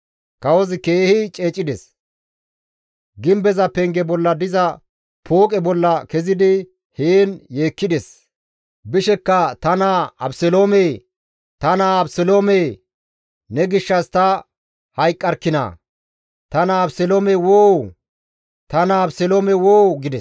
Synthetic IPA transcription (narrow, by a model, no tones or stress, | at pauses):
kɐwɔzɪkeːhɪt͡ʃʼe̞ːt͡ʃʼːɪd̪ɛs | ɡɪmbɛzɐpɛŋɡɛbɔlːɐd̪ɪzɐ | pʰoːkʼɛbɔlːɐkɛzɪd̪ɪ | heːnje̞ːkːɪd̪ɛs | bɪʃɛkːɐt̪ɐnaɐbsɛloːme | t̪ɐnaɐbsɛloːme | nɛɡɪʃːɐst̪ɐ | hɐjkʼːɐɾkːɪnɐ̰ː | t̪ɐnɐːbsɛloːmɛwoːw | t̪ɐnɐːbsɛloːmɛwoːwɡɪd̪ɛs